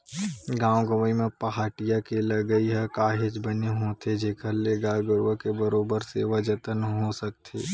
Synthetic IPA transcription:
ɡãːwɡəməimẽpɐɦaːʈijakelɐɡəiɦɛkaːɦɪd͡ʒbəneɦot̪ʰed͡ʒeːkʰəɾlːeɡaːɡəɾʋəkebəɾoːbəɾseʋɐd͡ʒət̪ənɦosək̚t̪ʰeː

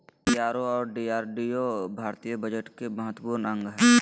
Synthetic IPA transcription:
piaːɾoɔːɾɖiːaːɾɖiobʱaːɾt̪iːjəbəd͡ʒəʈkeməɦət̪puːɾnə̃ŋɡɦɛː

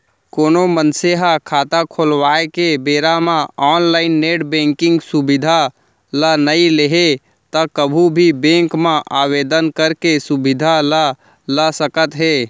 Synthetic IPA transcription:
koːnomənseɦakʰaːt̪akʰolwaːekebeːɾamãɔːnlaːɪnːeːʈbẽːŋkɪ̃ŋɡsubɪd̪ʱa | lənəileɦe | t̪əkəbʱubʱibẽːŋkmãʔaːweːd̪ənkəɾkesubɪd̪ʱalə | ləsəkət̪ɦeː

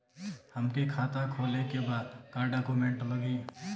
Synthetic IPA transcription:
həmkikʰaːt̪akʰoːlekebaːd̪kaɾɖaːkumẽːɳʈləɡiː

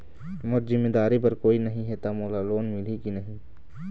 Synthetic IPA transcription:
mʊt͡ʃzɪmːeːd̪aːɾip̬ɐɾkoːinɐɦĩɦɛt̪amoːlaloːnmɪlikinɐɦĩ

